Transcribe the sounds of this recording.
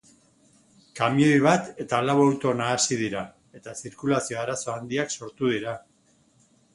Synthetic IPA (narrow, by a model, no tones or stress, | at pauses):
kamiojβ̞at̪e̞t̪alaβoewt̪onaːsið̞iɾa | e̞t̪asiɾkulasio̞aɾaso̞and̪iakso̞ɾt̪uð̞iɾa